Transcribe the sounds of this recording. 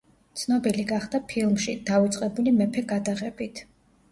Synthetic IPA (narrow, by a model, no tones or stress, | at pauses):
t̪sʰnɔbiliɡaχd̪apʰilˠmʃid̪̥aut̪sʼqʼɛbulimɛpʰɛɡad̪aʁɛbit̪ʰ